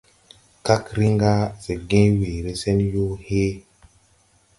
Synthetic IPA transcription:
ka˦kɾi˦ŋɡa˦se˨ɡẽ˦weː˨ɾe˦se˦njo˦he˦

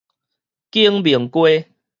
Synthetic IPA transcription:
ki˦əŋbi˨˩ŋkwe˦

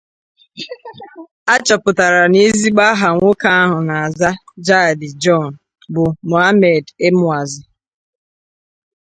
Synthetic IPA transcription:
a˦t͡ʃɔ˨pʊ˨ta˨ɾa˨ni˦zi˦ɡ͡ba˦ɦa˨ŋʷʊ˦ka˦a˦ɦʊ˨na˨a˨za˦d͡ʒa˦˨dɪ˨d͡ʒɔ˦˨n˨ | bʊ˨mo˨a˦me˨de˦mʊ˦a˨zɪ˨

